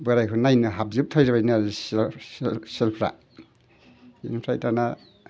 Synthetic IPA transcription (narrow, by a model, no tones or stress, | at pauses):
bɯɾajkʰɯnajnɯɦap̚zɯp̚tʰɔjɾabajnɯazissselpʰɾa̰ | ḭnpʰɾajtana